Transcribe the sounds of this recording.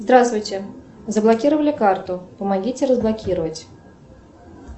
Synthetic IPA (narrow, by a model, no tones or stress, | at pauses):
zd̪ɾast̪vʊjt͡sʲɛ | zɐblˠakʲiɾəvəlʲɪkart̪ʊpəmaɡʲit͡sʲɪrəzblˠakʲiɾəvət͡sʲ